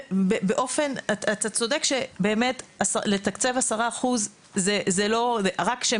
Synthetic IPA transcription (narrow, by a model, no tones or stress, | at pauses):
bebeʔo̞fe̞natat̪at͡so̞dekʃebe̞ːmetasaletakt͡sevasaʁaːχuzː | ezelo̞eʁakʃe